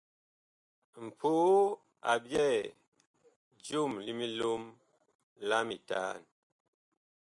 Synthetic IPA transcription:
m̩˨pʰuː˦ | a̰˨bjɛ˦˨ | d͡ʒu˦˨mli˦mi˦lo˦m | la˦mi˨ta̰ː˦˨n

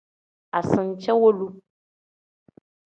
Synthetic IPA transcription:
a˨sɨ̃˨n˨t͡ʃʰɛ˦wo˦lu˦

